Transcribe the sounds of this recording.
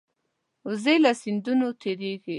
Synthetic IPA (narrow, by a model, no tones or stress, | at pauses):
uzelasind̪unot̪ʰeɾeɡi